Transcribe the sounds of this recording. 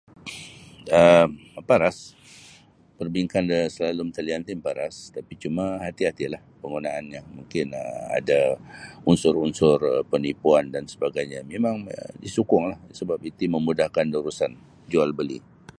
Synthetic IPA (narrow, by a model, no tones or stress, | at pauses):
əmpaɾas | pərbiŋkandəsəlalʊmt̪əliant̪ɪmpaɾa̰st̪apit͡ʃumaɦat̪iɦat̪ilahpəŋɡunaanɲamuŋkɪnəa̰daunsʊrunsʊrəpənipuandansəbaɡajɲamemãŋədisukʊŋlahsəbap̚it̪iməmudahkandəɾusan | d͡ʒualbəlḭ